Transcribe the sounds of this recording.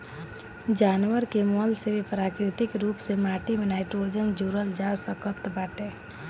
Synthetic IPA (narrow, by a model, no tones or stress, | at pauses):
d͡ʒaːnʋəɾkemɔlsebʱipɾaːkɾɪt̪ɪkɾuːpsemaʈimenajʈoɾd͡ʒənd͡ʒuɾəld͡ʒasəkət̪baːʈe